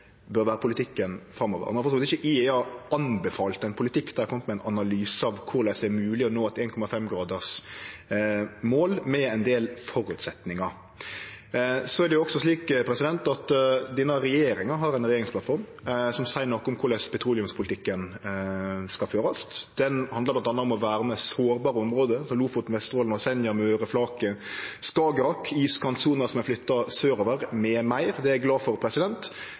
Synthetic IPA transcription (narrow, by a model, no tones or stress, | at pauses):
bœɾʋæːɾəpʰʊlɪt̪ʰɪkːənfɾɑmːɔʋə̰ʁɔmnnfɔsɔːlt̪ɪçəʔɪeɑɑnbɛfɑːlt̪ɛnpʰʊlɪt̪ɪkːd̪æɾkʰɔmət̪mɛɪnɑnɑlyːsəɑʋkʰʊɾlæɪsd̪ɛɛɾmʉːlɪɔnoːɛt̪eːnkʰɔmɑfɛmɡɾɑːd̪əʁs | moːlmɛɛnd̪eːlfɔɾʉt̪sɛt̪nɪŋɑ | sɔɛɾd̪ɛjʊɔksɔsliːkpʰɾɛsɪd̪ɛnt̪ɑt̪d̪iːnəɾɛjeːɾɪŋɑɦɑɾɛnɾɛjeːɾɪŋsplɑt̪fɔɾm | sɔmsæɪnɔkːʊmkʰʊɾlɛspʰɛt̪ʰɾuːlɪʉmspʰʊlɪt̪ʰɪkːən | skɑlføːɾɑst̪d̪̥ɛnhɑnd̪əɾblɑnt̪ɑnːɑɔmɔʋæːɾməsoːɾbɑːɾəɔmɾoːd̪əsɔluːfʊt̪nʋɛst̪ʁoːlnɔsɛnjəmøːɾəflɑːkəskɑːɡəɾɑkʰːiːskʰɑnt̪suːnəsɔmæflʏt̪ːɑsøːɾoːʋəɾmɛmæɪɾd̪ɛæɡlɑːfɔɾpʰɾɛsɪd̪ɛnt̪